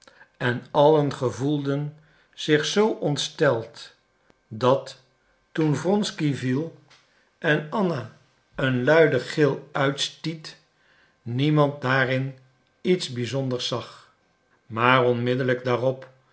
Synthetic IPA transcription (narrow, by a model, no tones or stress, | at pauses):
ɛnɑlənχəvulˠdən | z̥ɪχsowʔɔntstɛlˠt | dɑtː | unvrɔnskivilˠ | ʔɛnɑna | ənlœɥdəχɪlˠœɥtstit | nimɑnt̚daːrɪn | itzbizɔndəɹsɑχ | maːɹɔnmɪdələɡ̚daːrɔp